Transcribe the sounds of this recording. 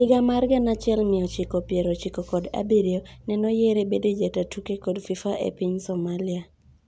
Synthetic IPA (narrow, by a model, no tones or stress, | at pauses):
ɪɡamarɡanat͡ʃɪɛlmɪɔt͡ʃikopjeɾot͡ʃikokɔda̰biɾionɛnɔjeɾebeded͡ʒatatukekɔdfifaʔḛpiɲsomalia